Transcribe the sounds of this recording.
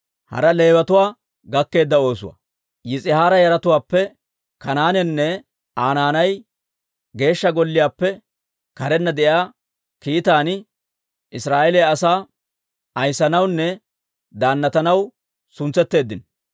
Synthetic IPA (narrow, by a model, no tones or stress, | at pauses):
hɐ̰ɾɐle̞ːbɐt̪ʊwaː | ɡɐkːe̞ːd̪ːɐo̞ːs̬ʊ̰wɐ̰ | jɪt͡sʼɪhaːɾɐjɐɾɐt̪ʊwaːpːɛ | kɐnaːnɛnːɛ | ʔaːnaːnɐj | ɡe̞ːʃːɐɡɔlːɪjaːpːɛ | kɐɾɛnːɐd̪ɛʔjaː | kiːt̪aːnɪ | ʔɪsɾaːʔɛlɛɐsaː | ɐjsɐnɐwnːɛ | d̪aːnːɐt̪ɐnɐw | sʊnt͡sːɛt̪ːe̞ːd̪ːɪn